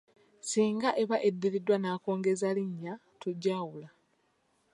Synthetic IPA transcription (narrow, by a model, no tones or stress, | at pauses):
siːŋɡaʔeβaʔedːiɾidwanaːko̞ːŋɡe̞zaliɲːa | tuɟːaːwula